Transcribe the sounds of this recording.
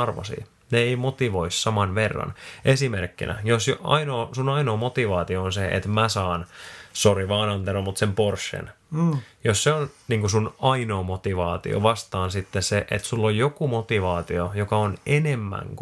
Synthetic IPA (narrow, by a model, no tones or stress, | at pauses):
ɑrʋɑ̰sḭː | neeimot̪iʋoissɑmɑnʋerːɑ̰nʔesimerkːḭnʔæ̰josjoɑ̰inoːsunɑinoːmot̪iʋɑːt̪ioonseʔḛt̪mæsɑːnsoriʋɑːnɑnt̪elomut̪semporsːḛn | josseonniːŋkusunɑinoːmot̪iʋɑːt̪ḭo̰ʋɑst̪ɑːnsit̪ːesseʔḛt̪sulːojjokumot̪iʋɑːt̪iojokɑonenemːæ̰ŋk